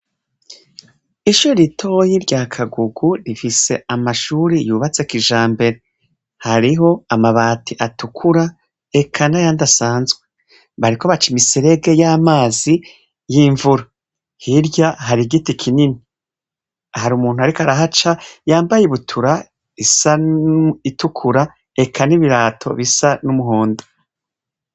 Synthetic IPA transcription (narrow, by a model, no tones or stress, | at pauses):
iʃuɾɾitʰo̞jiɾɟakʰaɡuɡuɾifise̞amaʃuɾijuːβat͡sekiʒaːmbe̞ɾe̞ | haɾiɦo̞amaβaːtʰiʔatukʰuɾa | ekʰanajandasaːnzɡwe̞ | βaɾiko̞βat͡ʃimisiɾe̞ɡe̞jamaːzi | jiɱvuɾa | hiɾjaɦaɾiɡitikʰinini | ahaɾumuːnhuaɾikaɾaɦat͡ʃajaːmbajeβutʰuɾa | isa | itukʰuɾa | e̞kʰaniβiɾaːtʰo̞̰βisanumuɦoːndo